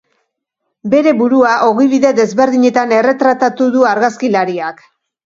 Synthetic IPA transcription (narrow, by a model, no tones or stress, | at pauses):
be̞ɾe̞βuɾuaʔo̞ɣiβ̞iðe̞ðe̞zβe̞ɾðiɲe̞t̪ane̞re̞t̪ɾat̪at̪uðuaɾɣaskilaɾiak